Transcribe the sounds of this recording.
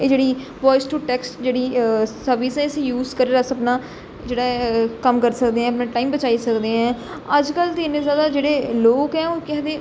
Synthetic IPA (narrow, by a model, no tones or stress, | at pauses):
eːd͡ʒeːɽiː | ʋɔːɪsʈuːʈɛːksʈd͡ʒeːɽiːsəɾʋɪsɛ̃ːɪsiːjuːzkəɾeːɾəsəpnaː | d͡ʒeːɽaːkəmkəɾsəkd̪eːɦɛ̃ːəpnãːʈaːiːmbət͡ʃaːiːsəkd̪eːɦɛ̃ː | əd͡ʒkəlt̪eɪnẽzjaːd̪aːd͡ʒeːɽeːloːkɛːoːkɛ̃ɦ̪d̪eː